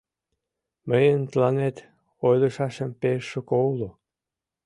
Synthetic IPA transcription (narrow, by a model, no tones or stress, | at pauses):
məjənt̪lɑnet̪ | ojlə̆ʃɑʃə̆mpeʃəkowlo